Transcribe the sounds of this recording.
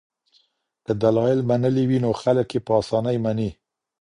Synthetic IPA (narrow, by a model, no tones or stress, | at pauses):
k̪əd̪alɑjɪlmanəliwinoxaləkjepəɑsɑnəjmani